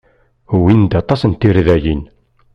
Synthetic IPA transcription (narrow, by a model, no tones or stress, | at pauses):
uwind̪ɑt̪ˤɑsənt̪ːiɾðæjin